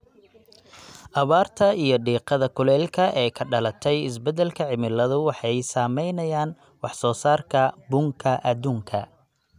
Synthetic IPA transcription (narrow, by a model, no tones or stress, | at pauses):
ʔɑβaːrt̪ʰɐijɞɖiːqɑðɐkʰʊlɛːlkʰɐʔɛːkʰɐɖɐlɐt̪ʰɛjɪs̬bɛd̪ɛlkʰɐʕɪmɪlɐðʊwɑħɑjsaːmɛjnɐjaːn | wɑħsɔːsaːrkʰɐbʊŋkʰɐʔɐduːŋkʰɐ